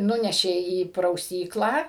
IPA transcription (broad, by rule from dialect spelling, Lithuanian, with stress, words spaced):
ˈnʊnʲɛʃʲeː iː prɐʊˈsʲiːklˠɑː